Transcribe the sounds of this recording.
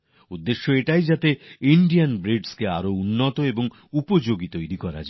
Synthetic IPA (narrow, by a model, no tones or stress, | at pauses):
ud̪ːeʃːoeʈajd͡ʑat̪eiɳɖianbɾiɖskea̰ɾounːot̪oeboŋ | upod͡ʑoɡit̪ojɾikɔɾa̰d͡ʑa